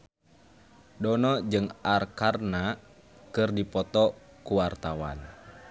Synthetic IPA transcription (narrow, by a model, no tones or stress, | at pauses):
dɔnɔd͡ʒɨŋarkarna | kɨrdipɔt̪ɔ | kuwart̪awa̰n